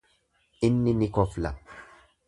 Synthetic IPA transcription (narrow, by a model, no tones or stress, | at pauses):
ɪnːinikɔfla̰